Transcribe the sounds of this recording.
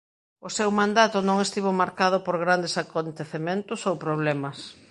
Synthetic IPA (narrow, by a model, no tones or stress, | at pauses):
ʊsewmãnd̪at̪ʊnõŋest̪iβomaɾkað̞ʊpoɾɣ̞ɾand̪esakont̪eθemẽnt̪ʊsowpɾoβ̞lɛmɐs